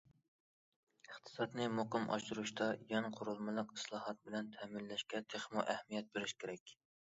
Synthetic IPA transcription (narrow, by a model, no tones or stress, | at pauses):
əχt̪ʰɨ̥sɑt̪nɨmoqɨmʔɑ̰ʃuɾuʃt̪ɑjɛŋqʰʊɾulˠmɨlˠəqi̥slˠɑːhɑt̪̚bɪlɛnt̪ʰɛːmɪnːɛʃkʲɛt̪ʰeχmuʔæhmijɛt̪̚beɾɪʃkʲʰeɾɛkʲ